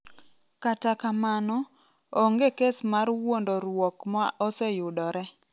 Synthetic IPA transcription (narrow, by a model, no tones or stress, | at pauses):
katakamanɔ | oŋɡekesmarwondɔɾwɔkmaʔɔsɛjʊdɔɾɛ